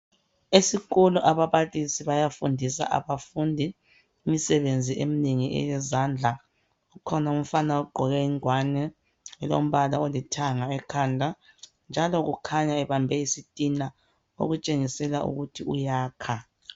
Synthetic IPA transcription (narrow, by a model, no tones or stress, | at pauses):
esiɣʼuluʔaβaβalisiβajafundʱisa̰ʔa̰βafundʱiː | misɛβend͡zʱiʔemineŋiʔɛ̰jɛzaːnd͡ɮʱa | ukʰɔnaum̩fanauɡ͡ǃʱɔɣɛiŋwanɛ | ɛlo̰m̩βalaolitʰaŋaɛkʰandʱa | nd͡ʒʱalɔɣukʰaɲaɛβambʱɛisitʼina | o̰ɣut͡ʃʼeŋisɛlaṵɣutʰiujaːkʰa